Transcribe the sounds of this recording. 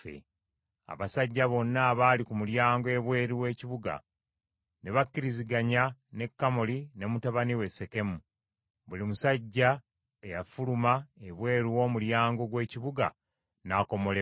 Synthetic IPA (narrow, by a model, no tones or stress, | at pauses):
ḛ | a̰βasaɟːaβo̞nːaːβaːlikumuljaːŋɡoe̞βwe̞ːɾiwe̞ːciβuɡa̰ | ne̞βakːiɾiziɡaɲane̞kːamoline̞mutaβaniwe̞se̞ke̞mu | βulimusaɟːa | e̞jafulumaeβwe̞ːɾiwo̞ːmuljaːŋɡo̞ɡwe̞ːciβuɡa̰ | naːko̞mo̞le